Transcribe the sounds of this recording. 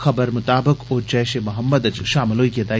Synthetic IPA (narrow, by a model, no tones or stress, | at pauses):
xɐbəɾmʊt̪aːbɪkoːɾt͡ʃɛːʃemɐɦəmːəd̪ɐt͡ʃʃaːmloːikiɐt̪aː